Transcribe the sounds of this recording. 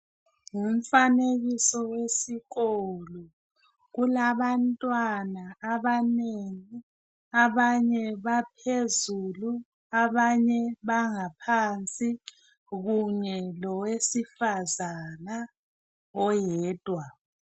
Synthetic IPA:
ŋum̩faneɣisɔwesiɣɔlɔ | ɣulaβantʼwanaːβaneŋi | aβaɲɛβapʰezulu | aβaɲɛβaŋapʰant͡sʼi | ɣuɲɛlɔwesifazana | ɔjɛːd̥ʱwa

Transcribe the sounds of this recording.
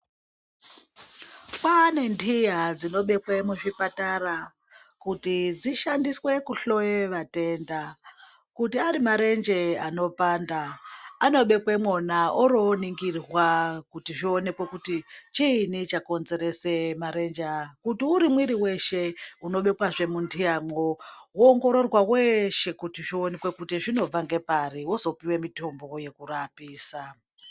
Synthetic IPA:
pane̞ndʱijad͡zino̞ɓe̞pwemuʐipataɾa | kutid͡ziʃandiswe̞kuɬo̞jeʋate̞ːnda | kutiaɾimaɾe̞nd͡ʒe̞ano̞paːndaːno̞ɓe̞pwemwonaʔoɾoniŋɡirwakutiʐio̞ne̞kwekutit͡ʃiːnit͡ʃako̞nze̞ɾe̞se̞maɾe̞nd͡ʒakutiuɾimwiɾiwe̞ʃe̞uno̞ɓe̞kwaʐe̞mundiaːmowoːŋɡo̞ɾo̞rwaweʃe̞kutiʐio̞ne̞kwe̞kutiʐino̞b͡vaŋɡe̞pariwozo̞piwe̞mito̞mbo̞je̞kurapiːsa

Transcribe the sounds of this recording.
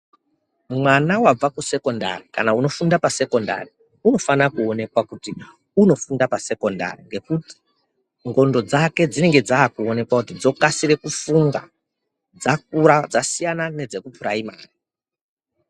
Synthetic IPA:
mwanawab͡vakuse̞ko̞nda̰rika̰nauno̞fundapase̞ko̞nda̰ri | uno̞fanakuo̞ne̞kwakuti | uno̞fundapase̞ko̞nda̰riŋɡe̞kuti̥ | ŋɡo̞ndo̞d͡zake̞d͡zine̞ŋɡe̞d͡zaːkuo̞ne̞kwakutid͡zo̞kasiɾe̞kufuŋɡa | d͡zak̚uɾad͡zasijanane̞d͡ze̞kupuɾaima̰ːri

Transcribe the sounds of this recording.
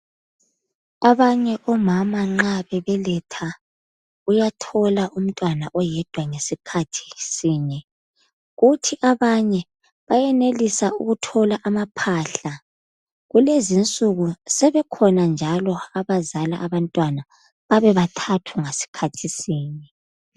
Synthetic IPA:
aβaɲɛʔɔmamaŋ͡ǁaβɛβɛlɛtʰa | ujatʰɔlaʔum̩tʼwanaʔɔjɛd̥ʱwaŋesikʰatʰi̥siːɲɛ | ɣutʰiʔaβaɲɛ | βajɛnelisauɣutʰɔlaʔamapʰaɬa | ɣulezint͡sʼuɣusɛβɛkʰɔnand͡ʒʱalɔaβazala̰ʔaβantʼwana | βaβɛβatʰatʰuŋesi̥kʰatʰisiːɲɛ

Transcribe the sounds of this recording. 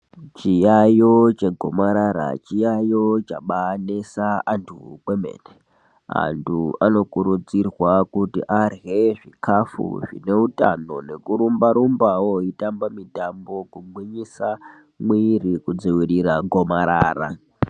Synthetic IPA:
t͡ʃijajo̞t͡ʃe̞ɡʱo̞̰maɾaɾa̰t͡ʃijajo̞t͡ʃaɓanesaantʰukwemḛːne | a̰ntʰuano̞kuɾud͡zirwakutḭʔarɣe̞ʐikʰafṵʐḭne̞uta̰no̞ne̞kuɾumbaɾumbawo̞itambamitambo̞kuɡwiɲisa | mwirikud͡ziwiɾiɾaɡʱo̞maɾaːra̰

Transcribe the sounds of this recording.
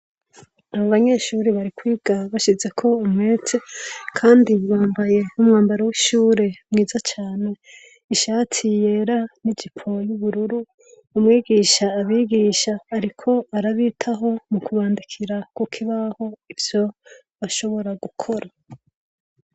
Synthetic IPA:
aβaβaɲe̞ʃuːɾiβaɾikwiːɡ̥aβaʃize̞kʰo̞umŋeːt͡se̞kʰaːndiβaːmbaje̞umŋaːmbaɾawiʃuːɾe̞mŋiːzat͡ʃaːne̞ | iʃaːtʰijeɾanid͡ʒipʰojuβuɾuɾuː | mŋiːɡiʃaːβiːɡiʃaːɾikʰo̞aɾaβiːtʰaɦo̞mukʰuβaːndikʰiɾakukʰiβaho̞ivjo̞ | βaʃo̞βo̞ɾaɡukʰo̞ɾa

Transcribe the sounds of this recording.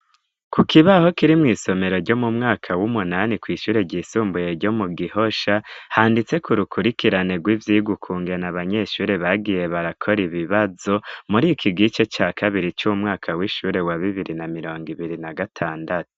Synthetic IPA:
kukiβaho̞kiɾimŋiːso̞me̞ɾo̞ɾɟo̞mumŋaːkʰawumunanikwiːʃuːɾe̞ɟiːsuːmbuje̞ɾɟo̞muɡiho̞ʃahaːndit͡se̞kuɾukʰuɾikiɾaneɡwiːvjiɡukʰuːŋɡenaβaɲe̞ʃuːɾe̞βaɡije̞βaɾakʰo̞ɾiβiβazo̞muɾikʰiɡit͡ʃe̞t͡ʃaːkʰaβiɾit͡ʃuumŋaːkʰawiʃuːɾe̞waβiβiɾinamiɾo̞ːŋɡiβiɾinaɡatʰaːndatu̥

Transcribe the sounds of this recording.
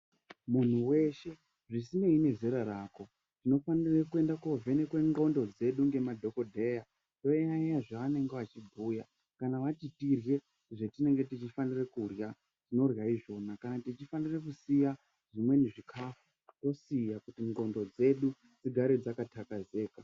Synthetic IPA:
mun̤uwe̞ʃe̞ | ʐisine̞ine̞zeɾaɾaːko̞ | tino̞fanirekue̞ndako̞vʱe̞nekwe̞ŋɡo̞ndo̞d͡ze̞ɗuŋɡe̞madʱo̞ko̞dʱe̞ːja | to̞eajaʐaʋane̞ŋɡe̞ʋat͡ʃibʱuːja | kanaʋatitirje̞ | ʐe̞tine̞ŋɡe̞tit͡ʃifanirekurja | ʐino̞rjaiʐo̞nakanatit͡ʃifanire̞kusija | ʐ̥imwe̞neʐikʰafu | to̞sijakutiŋɡo̞ndo̞d͡ze̞ɗu | d͡ziɡʱaɾed͡zakatʰakaze̞ːka

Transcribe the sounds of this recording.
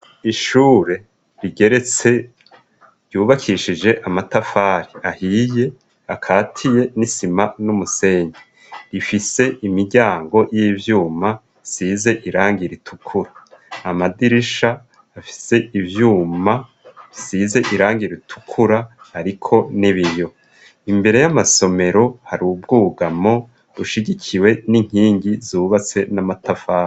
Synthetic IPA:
iʃuːɾe̞ | ɾiɡe̞ɾe̞t͡se̞ | ɾjuːβakʰiʃid͡ʒe̞ʔamatafaːɾiahije̞ | akʰaːtʰije̞nisimanumuse̞ːɲe | ɾifise̞imiɾɟaːŋɡo̞jiːvjuːma | size̞ʔiɾaːŋɡiɾitʰu̥kʰuɾaamadiɾiʃaː | fi̥se̞ivjuːma | isize̞ʔiɾaːŋɡiɾitʰu̥kʰuɾa | haɾikʰo̞niβijo̞ | imbe̞ɾe̞jamaso̞me̞ɾo̞haɾubɡuːɡamo̞ | βuʃiɟicʰiwe̞niŋ̥hiːŋɟizuːβat͡se̞namatafaː

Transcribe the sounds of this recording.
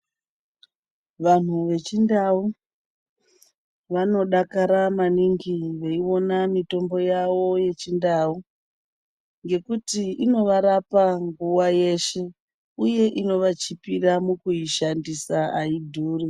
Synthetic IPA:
ʋan̤uʋe̞t͡ʃindau | ʋano̞ɗakaɾamaniŋɡiʋeiwo̞namito̞mbo̞jawo̞je̞t͡ʃindau | ŋɡe̞kutiino̞ʋaɾapaŋɡuwaje̞ʃe̞ | uje̞ʔino̞ʋat͡ʃipiɾamukuiʃandisaaidʱuːri

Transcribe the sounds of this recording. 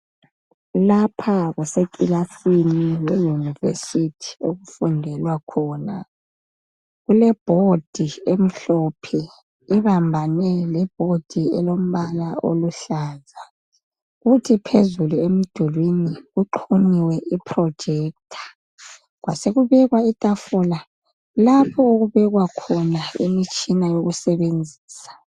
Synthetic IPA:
lapʰaɣusekʼilasiniwejunivḛsitʰi̥oɣufundʱɛlwakʰɔːna | ɣulɛb̥ʱod̥ʱiem̩ɬɔpʰɛ | iβambʱanɛlɛb̥ʱod̥ʱiɛ̰lom̩βalao̰luɬaːza | uɣutʰipʰezuluem̩d̥ʱulwiniɣuǃʰuniwɛʔipʰrɔ̥d͡ʒ̥ʱɛːk̚tʰḁ | ɣwaseɣuβɛɣwaitʼafɔla | lapʰɔuɣuβɛɣwakʰɔnaḭmit͡ʃʼinajoɣusɛβend͡zʱiːsḁ

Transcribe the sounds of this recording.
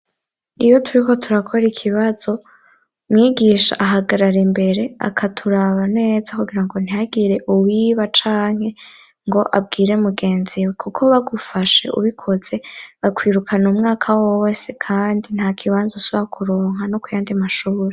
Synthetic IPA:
ijo̞tʰuɾiko̞tʰuɾakʰo̞ɾikʰiβaz̥o̞ | mŋiːɡiːʃa̰ʔaɦaɡaɾaɾimbe̞ɾe̞a̰kʰatʰuɾaβane̞ːzakuɡiɾaŋɡo̞n̥ijaɡiɾe̞ʔuwiːβat͡ʃaːŋ̥he̞ | ŋɡo̞ʔa̰b̚ɡiːɾe̞muɡe̞ːnziwekʰukʰo̞βaɡufaʃe̞ʔṵβikʰo̞z̥e̞βakwiːɾukʰanumŋaːkʰawose̞kʰaːndin̥haːkʰiβaːnzusoβakʰuɾo̞ːŋ̥hano̞kujaːndimaʃuːɾe

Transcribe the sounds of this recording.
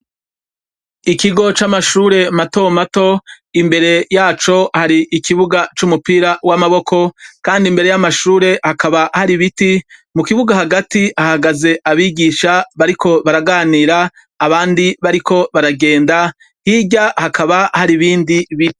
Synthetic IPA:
ikiɡo̞t͡ʃamaʃuːɾe̞mato̞mato̞ | imbe̞ɾe̞jaːt͡ʃo̞haɾiʔikʰiβuɡat͡ʃumupiɾawamaβo̞kʰo̞kaːndimbeɾe̞jamaʃuːɾe̞hakaβahaɾiβitimukiβuɡahaɡatiahaɡaze̞ʔaβiːɡiʃaβaɾikʰo̞βaɾaɡaːniːɾaː | βaːndiβaɾikʰo̞βaɾaɡe̞ːnda | hiɟahakʰaβahaɾiβiːndiβi

